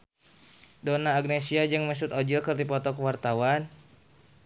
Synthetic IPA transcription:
dɔnaːɡ̚nesiad͡ʒɨŋməs̬ut̪ɔd͡ʒilkɨrdipɔt̪ɔkwart̪awan

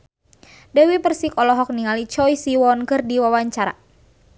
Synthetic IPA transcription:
dɛwipərsikɔlɔɦɔk̚niŋalit͡ʃɔjsiwɔnkɨrdiwawaɲt͡ʃaɾa̰

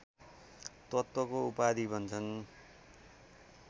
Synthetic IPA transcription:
t̪ʌt̪ːʌkoupad̪ibʱʌnt͡sʰʌn

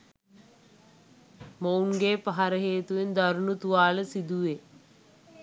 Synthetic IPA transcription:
mounɡeːpaɦaɾəɦeːt̪uʋend̪aɾunut̪uʋaːləsid̪uʋe

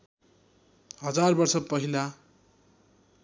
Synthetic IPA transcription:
ɦʌd͡zarbʌrsʌpʌɦila

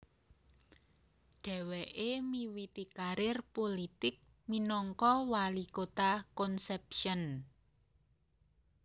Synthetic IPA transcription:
ɖ̥ɛ̤wɛʔemiwit̪ikaɾɪrpolit̪ɪk̚ | minɔŋkɔwalikot̪akɔnsɛp̚ʃən

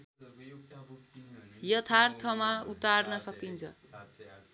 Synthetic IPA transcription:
jʌt̪ʰart̪ʰʌmaut̪arnʌsʌkint͡sʰʌ̰

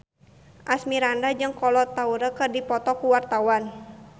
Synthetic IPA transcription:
ʔasmiɾandad͡ʒɨŋkɔlɔt̪auɾəkɨrdipɔt̪ɔkuwart̪awan

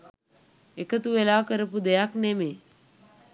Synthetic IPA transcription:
ekət̪uʋelaːkəɾəpud̪ejakneme

